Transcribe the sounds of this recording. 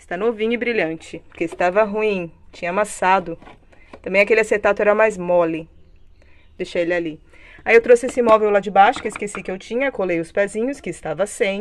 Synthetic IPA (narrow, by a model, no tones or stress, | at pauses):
st̪anovĩɲʊɪbɾiʎɐ̃nt͡ʃɪpʊɾkeɪst̪avɐɦuĩt͡ʃĩɲɐamasad̪ʊ | t̪ɐ̃mbẽj̃akelɪaseɾt̪at̪ʊɛɾɐmajzmɔli | d̪ejʃejelɪali | aiewt̪ɾosɪesɪimɔvewlad͡ʒɪbaʃʊ̥kɪɪskesikɪewt͡ʃĩɲɐkolejʊspɛzĩɲʊskɪːst̪avɐsẽj̃